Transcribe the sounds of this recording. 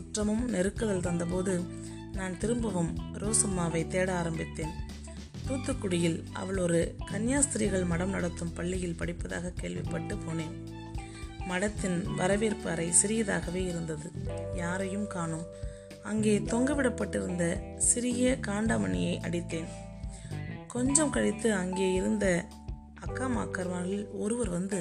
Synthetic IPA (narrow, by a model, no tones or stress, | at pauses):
ʊʈrɐmɯmnɛɾɯkːɐðɐlt̪ɐnd̪ɐp̬oːðɯ | naːnt̪ɪɾɯmbɐʋɯmɾoːsɐmːaːʋɐɪt̪eːɽɐaːɾɐmbɪt̪ːeːn | t̪uːt̪ːɯkːʊɽɪjɪlʔɐ̰ʋɐɭɔɾɯkɐnjaːst̪ɪɾɪɣɐɭmɐɽɐmnɐɽɐt̪ːɯmpɐɭːɪjɪlpɐɽɪpːɐða̰ːɣɐkeːɭʋɪ̰pːɐʈːɯpoːneːn | mɐɽɐt̪ːɪnʋɐɾɐʋeːɾpɯɐɾɐɪsɪɾɪjɐða̰ːɣɐʋeːɪɾɯnd̪ɐðɯjaːɾɐjɯmkaːɳɯm | ɐŋɡeːt̪ɔŋɡɐʋɪɽɐpːɐʈːɪɾɯnd̪ɐ | sɪɾɪjɐkaːɳɖaːmɐɳɪjɐɪʔɐɽɪt̪ːeːn | kɔɲd͡ʒɐmkɐɻɪt̪ːɯɐŋɡeːɪɾɯnd̪ɐ | ʔɐkːaːmaːkːɐɾmaːɣɪlɔɾɯʋɐɾʋɐnd̪ɯ